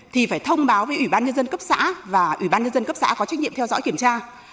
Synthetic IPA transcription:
t̪ʰi˨˩faː˧˩jt̪ʰə˧wŋ͡mɓaː˨˦wvəː˨˦jʔwi˧˩ɓaː˧nɲə˧nzə˧nkə˦˥p̚sa̰ː˧˥vaː˨˩ʔwḭ˧˩ɓaː˧nɲə˧nzə˧nkə˦˥p̚sa̰ː˧˥kɔ˨˦t͡ɕk̚ɲ̰˧˨ə˨mt̪ɛ˧wzɔ̰˧˥jki˧˩əmt͡ɕaː˧

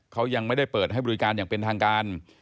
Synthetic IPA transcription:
kʰa˦˥wja˧ŋma˥˩jda˥˩jpɤː˨˩t̪̚ɦa˥˩bɔ˧i˧kaː˧njaː˨˩ŋpe˧nt̪ʰaː˧ŋkaː˧n

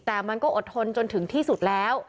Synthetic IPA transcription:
t̪ɛː˨˩ma˧nkɔː˥˩ʔo˨˩t̪̚tʰo˧nt͡ɕo˧nt̪ʰɯ˩˦ŋt̪ʰiː˥˩su˨˩t̪̚lɛː˦˥w

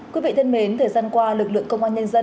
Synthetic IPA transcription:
ki˨˦vḭ˧˨t̪ʰe˧nme˨˦nt̪ʰəː˨˩jzaː˧nkwaː˧lɨ˨˩k̚lɨ̰˧˨əŋkə˧wŋ͡mʔaː˧nɲə˧nzə˧n

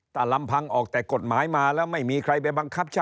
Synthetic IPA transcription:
t̪ʰaː˥˩la˧mpʰa˧ŋʔɔː˨˩k̚t̪ɛː˨˩ko˨˩t̪̚maː˩˦˥jmaː˧lɛː˦˥wma˥˩jmiː˧kʰɾa˧jp̬a˧jba˧ŋkʰa˦˥˩p̚t͡ɕʰa˥

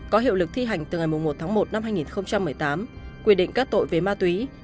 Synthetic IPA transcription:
kɔ˨˦ɦḭ˧˨wlɨ˨˩k̚t̪ʰi˧ɦa˨˩jŋ̟t̪ɨ˨˩ŋa˨˩jmʊ˨˩ŋ͡mmo˨˩t̪̚ʰaː˨˦ŋmo˨˩t̚na˧mhɦaː˧jŋi˨˩nxə˧wŋ͡mt͡ɕa˧mːɨ˨˩əjt̪aː˨˦mkwi˧əɗḭ˧˨ŋ̟kaː˦˥k̚t̪o̰˧˨jve˨˩maː˧t̪wi˨˦

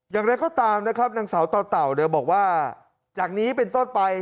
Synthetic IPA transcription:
jaː˨˩ŋɾa˧jkɔː˥˩t̪aː˧mna˦˥kʰɾa˦˥p̚naː˧ŋsaː˩˦wt̪ɔː˧t̪a˨˩wnɤ˧bɔː˨˩k̚waː˥˩ | t͡ɕaː˨˩k̚niː˦˥pe˧nt̪o˥˩npa˧j

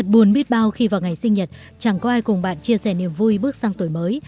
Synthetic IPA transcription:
ə˨˩t̚ɓu˨˦ənɓi˦˥ət̚ɓaː˧wxi˧vaː˨˩wŋa˨˩jsï˧ŋ̟ɲə˨˩t̚ | t͡ɕa˨˧˩ŋkɔ˨˦ʔaː˧jkʊ˨˩ŋ͡mɓa̰ː˧˨nt͡ɕi˧əsɛ˧˩ni˨˩əmvu˧jɓɨ˦˥ək̚zaː˧ŋt̪o˨˧˩jməː˨˦j

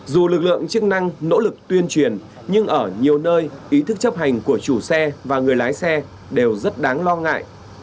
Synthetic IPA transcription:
zu˨˩lɨ˨˩k̚lɨ̰˧˨əŋt͡ɕɨ˦˥k̚na˧ŋno̰˧˥lɨ˨˩k̚t̪wi˧ənt͡ɕwi˨˩ən | ɲɨ˧ŋʔəː˧˩ɲi˨˩əwnəː˧jʔi˨˦t̪ʰɨ˦˥k̚t͡ɕə˦˥p̚ɦa˨˩jŋ̟ku˧˩ət͡ɕu˧˩sɛ˧vaː˨˩ŋɨ˨˩əjlaː˨˦jsɛ˧ | ɗe˨˩wzə˦˥t̚ɗaː˨˦ŋlɔ˧ŋa̰ː˧˨jʔ

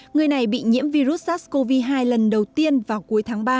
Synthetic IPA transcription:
ŋɨ˨˩əjna˨˩jɓḭ˧˨ɲḭ˧˥əmvi˧zu˦˥t̚saː˦˥t̚sko˧vi˧ɦaː˧jlə˨˩nɗə˨˩wt̪i˧ənvaː˨˩wku˨˦əjt̪ʰaː˨˦ŋɓaː˧

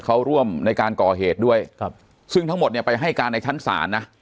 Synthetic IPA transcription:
kʰa˦˥wɾu˥˩əmna˧jkaː˧nkɔː˨˩ɦeː˨˩t̪̚du˥˩əj | sɯ˥ŋt̪ʰŋmo˨˩t̪̚ni˥˩pa˧jɦa˥˩jkaː˧nːa˧jt͡ɕʰa˦˥nsa̰ː˩˦nːa˦˥

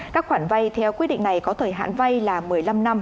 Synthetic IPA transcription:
kaː˦˥k̚xwaː˧˩nva˧jt̪ʰɛ˧wki˦˥t̚ɗḭ˧ŋna˨˩jkɔ˨˦t̪ʰəː˧˩jɦa̰ː˧˨nva˧jlaː˨˩mɨ˨˩əjla˧mna˧m

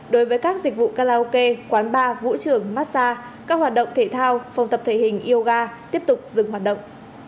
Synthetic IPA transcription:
ɗo˨˦jvəː˨˦jkaː˦˥k̚zi˨˩k̟̚vṵ˧˨kaː˧laː˧o˧ke˧kwaː˨˦nɓaː˧vṵ˧˥t͡ɕɨ˧˩əŋmaː˦˥t̚saː˧ | kaː˦˥k̚hwaː˨˩t̚ɗə̰˧˨wŋ͡mt̪ʰe˧˩t̪ʰaː˧wfa˨˩wŋ͡mt̪ə˨˩p̚t̪ʰe˧˩hï˨˩ŋ̟ʔi˧ə˧wɣaː˧t̪i˦˥əp̚t̪ʊ˨˩k͡p̚zɨ˨˩ŋhɦwːt̚ɗə̰˧˨wŋ͡mʔ

